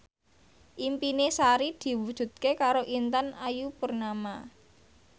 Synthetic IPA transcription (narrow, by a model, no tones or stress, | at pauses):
ʔimpinesaɾid̪̥i̤wud̥ʒ̥ṳt̪̚kekaɾoʔint̪anajupurnama